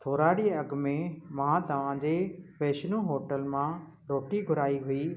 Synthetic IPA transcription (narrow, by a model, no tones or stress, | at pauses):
t̪ʰoːɾaːɽiɐɡmẽmãt̪ɐʋ̤ãd͡ʑeːpeːʃnũɦoːʈəlmã | ɾoːʈiɡʱʊɾaːiɦʊiː